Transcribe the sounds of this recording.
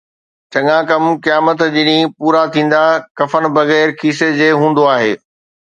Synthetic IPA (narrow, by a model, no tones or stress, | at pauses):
t͡ɕɐɠãkɐmkijaːmət̪d͡ʑɪnĩpuːɾat̪ʰĩːn̆d̪akɐfənbɐɣɛːɾkʰiːsed͡ʑeːɦũːn̆d̪oaːɦeː